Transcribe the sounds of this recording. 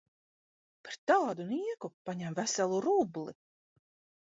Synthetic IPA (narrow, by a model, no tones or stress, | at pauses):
paɾt̪alad̪uniɛkupaɲæmvæsɛlˠuɾublˠi